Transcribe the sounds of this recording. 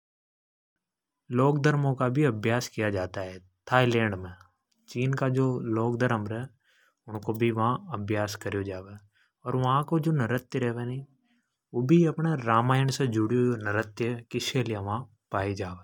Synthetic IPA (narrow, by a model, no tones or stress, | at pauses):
loːkd̪əɾmõkabʱiɐbʱjaːskijad͡ʒaːt̪aɦɛ | t̪ʰaːilẽːɳɖmẽ | t͡ʃiːnkad͡ʒoːloːk̚d̪əɾəmɾɦɛ | ʊnkobʱiʋɐɦãɐbʱjaːskɐɾjod͡ʒaːʋeː | ɔːɾʋɐɦãkod͡ʒoːnɐɾət̪jəɾɛɦʋeni | ʋoːbʱiɐpneɾaːmaːjəɳsed͡ʒʊɽijoonɐɾət̪jkɪʃkelijeʋɐɦã | paːid͡ʒaːʋeː